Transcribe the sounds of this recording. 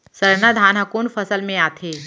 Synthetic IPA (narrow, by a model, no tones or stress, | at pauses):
səɾnad̪ʱaːnɦakuːnfɐsəlmẽaːt̪ʰeː